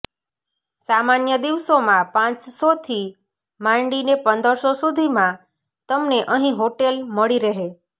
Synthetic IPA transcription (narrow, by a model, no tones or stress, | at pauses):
samanjəd̪iʋsomãpãt͡ʃsot̪ʰi | mãɳɖinepənd̪əɾsosud̪ʱimã | t̪əmneʔəɦĩɦoʈelməɭiɾəɦe